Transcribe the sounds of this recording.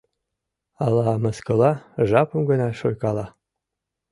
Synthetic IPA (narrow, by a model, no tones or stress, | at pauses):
ɑlɑməskɤ̆lɑʒɑpə̆mɡə̆nɑʃojkɑlˠɑ